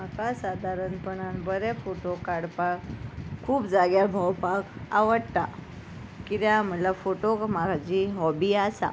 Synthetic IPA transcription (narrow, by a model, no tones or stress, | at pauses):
m̤akasad̪ʱaɾənpəɳanbəɾɛfoʈokaɽpakkʰːuːpd͡zaɡjabʱawpaka̰ʋəɽt̪a | kit̪jam̤əlafoʈokmaɡʱad͡ʑiɦɔbiːasa̰